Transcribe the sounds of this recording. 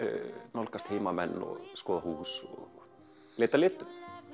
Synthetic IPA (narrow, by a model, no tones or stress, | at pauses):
nolkːɑst̪heimɑmænːo̰skohuːso̰ | lʲet̪ːɑlʲet̪ː